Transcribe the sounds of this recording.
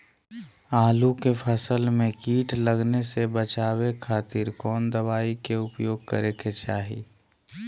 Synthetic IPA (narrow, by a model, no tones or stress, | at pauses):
aːlukepʰəsəlmẽkiːʈʰləɡnesebət͡ʃaːwekʰaːt̪ɪɾkɔːnd̪əβaːikeʊpjoːɡ̚kəɾeket͡ʃaːɦi